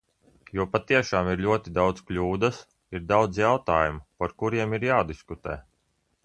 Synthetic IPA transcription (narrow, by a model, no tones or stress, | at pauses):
juɔpat̪iɛʃaːmiɾlʲuɔt̪id̪awd̪sklʲuːd̪as | iɾd̪awd̪zjawt̪aːjumupaɾkuɾiɛmiɾjaːd̪iskut̪ɛ̰ː